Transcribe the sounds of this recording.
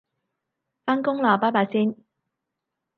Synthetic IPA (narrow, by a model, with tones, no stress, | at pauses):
faː˥nkʊ˥ŋlaː˨˩paː˥paː˧siː˥n